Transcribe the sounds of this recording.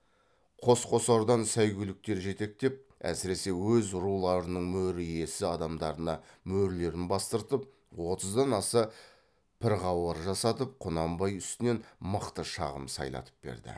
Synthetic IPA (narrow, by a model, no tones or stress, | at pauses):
qʰo̞sqʰo̞sɑɾd̪ɑnsæjɡʲʏlɪk̚t̪e̞ɾʒe̞t̪e̞k̚t̪e̞p̚ | æ̰sɪɾe̞se̞wɵzɾulˠɑɾənəɴmɵɾɪje̞sɪɑd̪ɑmd̪ɑɾənɑmɵɾle̞ɾɪnbɑst̪əɾt̪əp̚ | wo̞t̪əzd̪ɑnɑsə | pʰɪɾʁɑwɑɾʒɑsɑt̪əp̚qʰʊnɑmbɑjʏst̪ɪne̞nməqt̪əʃɑ̰ʁəmsɑ̰jlˠɑ̰t̪ʰə̥p̚b̥ḛɾd̪ɪ̰